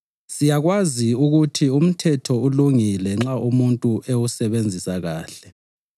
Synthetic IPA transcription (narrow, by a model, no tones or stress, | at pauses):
sijaɣwaziuɣutʰium̩tʰɛtʰɔuluŋilɛŋ͡ǁaumuntʼuʔewusɛβend͡zʱisaɣaːɬɛ